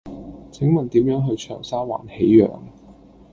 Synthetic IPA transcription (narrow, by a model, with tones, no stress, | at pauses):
t͡sʰɪ˨˥ŋmɐ˨nt̪iː˨˥mjœː˨˥ŋɦɵ˧ɥt͡ʃʰœː˨˩ŋsaː˥wa̰ː˨˩nhe˨˥jːœ̰ː˨ŋ